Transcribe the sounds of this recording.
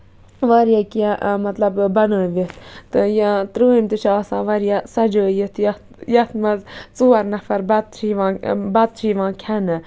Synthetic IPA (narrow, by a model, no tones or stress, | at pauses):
ʋaɾjakijaʔmɐt̪lɐbbɐnəːʋit̪ʰt̪ɨjãt̪ɾəːimt̪ɨt͡ʃʰaːsãːʋɐɾjasɐd͡ʒəːjət̪jɐ | jɐt̪mɐzt͡suːɐɾnɐfɐɾbɐt̪̚t͡ʃʰiʋãːbɐt̪̚t͡ʃʰiːʋãːkʲʰɐnɨ